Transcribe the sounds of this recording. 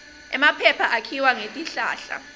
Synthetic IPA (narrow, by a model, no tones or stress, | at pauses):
ɛmapʰɛpʰaʔakʰiwaŋetʼiɬaːɬa̰